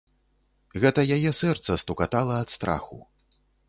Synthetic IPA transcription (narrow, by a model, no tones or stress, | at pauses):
ɣɛt̪ɐjajɛsɛrt̪sɐst̪ukat̪alˠɐːt̪st̪ɾa̰xṵ